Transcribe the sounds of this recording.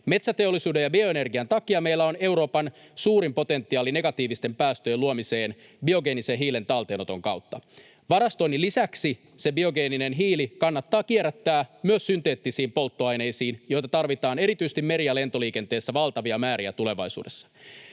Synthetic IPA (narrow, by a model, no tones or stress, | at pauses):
me̞t̪sæt̪e̞olːˑisuːde̞jɑbio̞ene̞rɡiænt̪ɑkiɑmejlːæo̞ne̞wɾo̞ːpɑn | suːɾimpo̞t̪e̞nt̪ːiɑːline̞ɡɑt̪iːʋist̪e̞mpæːst̪øjeluomiseːn | bio̞ɡe̞ːnisenɦiːle̞nt̪ɑlt̪eːnot̪o̞̰ŋkɑ̰wt̪ːɑ | ʋɑɾɑst̪oinːilisæksi | se̞bio̞ɡe̞ːninenɦiːlikɑnːɑt̪ːɑːkieɾæt̪ːæːmyøsːynt̪e̞ːt̪ːisiːmpo̞lt̪ːoɑjne̞jsiːnjo̞jt̪ɑt̪ɑrʋit̪ɑːne̞ɾit̪yse̥t̪ime̞ɾiæle̞nt̪o̞liːke̞nt̪e̞ːsːæʋɑlt̪ɑʋiɑmæːɾiæt̪ule̞ʋɑ̰jsṵːdesːɑ̥